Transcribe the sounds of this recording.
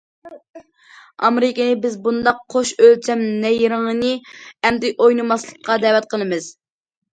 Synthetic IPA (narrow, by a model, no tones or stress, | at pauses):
ɑ̰meɾɪkʲɪnɪbɪzbund̪ɑqːʰoʃølt͡ʃʰɛmnɛjɾɨŋɨnɨɛmd̪ɪʔojnɨmɑslˠə̥qʰːɑd̪ɛwɛt̪̚qʰəlˠɨmɨz̥